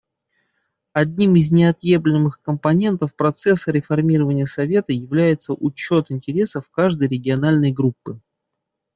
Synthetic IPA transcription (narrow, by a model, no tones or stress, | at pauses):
ɐdʲnʲimɪznʲɪɐt̪jeblʲɪmɨxkəmpɐnʲe̞nt̪əfpɾɐt̪sɛsːəɾʲɪfɐrmʲiɾəvənʲɪjəsɐvʲe̞t̪əjɪvlʲæjɪt̪səʔʊt͡ɕo̞t̪ɪnʲtʲɪɾʲe̞səfkaʐd̪əjɾʲɪɡʲɪɐnalʲnəjɡɾupːɨ